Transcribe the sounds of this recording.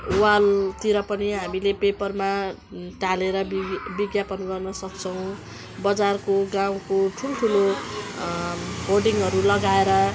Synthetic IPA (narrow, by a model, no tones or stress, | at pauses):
walt̪iɾʌpʌniɦamilepepʌrma | ʈaleɾʌbiɡjapʌnɡʌrnʌsʌk̚t͡sʰʌw̃ | bʌd͡zarkoɡãw̃koʈʰuloʈʰulo | horɖiŋɦʌɾulʌɡaeɾʌ